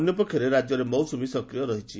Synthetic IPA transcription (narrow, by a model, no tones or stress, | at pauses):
njɔpɔkʰːjɔɾeɾad͡ʒjɔɾemɔwsumisɔkɾijɔɾɔɦit͡ʃʰi